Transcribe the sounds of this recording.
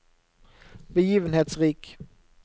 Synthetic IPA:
bɛjiːvənɦeːt̪sɾiːk

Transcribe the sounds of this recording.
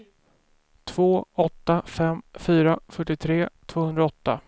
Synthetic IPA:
t̪ʰv̥oːɔt̪ːafɛmːfyːɾafœʈːɪt̪ʰɾeːt̪ʰv̥oːhɵnd̪ɾaɔt̪ːa̰

